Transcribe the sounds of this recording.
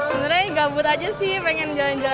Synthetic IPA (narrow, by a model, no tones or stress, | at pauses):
ənɾɛhɡabʊt̪ad͡ʒasɪpɛŋɛnd͡ʒaland͡ʒa